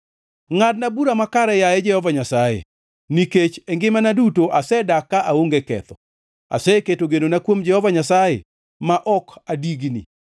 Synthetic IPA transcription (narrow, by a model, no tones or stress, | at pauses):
ŋad̚nabuɾamakaɾɛjaɛd͡ʒɛhɔvaɲasajḛ | niket͡ʃɛŋɡɪmanadutoʔasɛdakaʔaoŋɡekɛ̰t̪ɔ | a̰sɛketoɡenonakwomd͡ʒɛhɔvaɲasajḛ | maʔɔkadiɡnḭ